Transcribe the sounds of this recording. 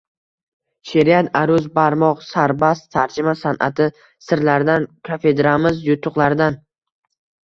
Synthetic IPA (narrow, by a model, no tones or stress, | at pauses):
ʃe̞ɾijat̪ʰaɾʊzbaɾmɒqsaɾbast̪ʰaɾd͡ʒɪmasanʔa̰t̪ʰɪ | sɪɾlaɾd̪ankʰafe̞d̪ɾamɪzjʊt̪ʰːʊqlˠaɾd̪an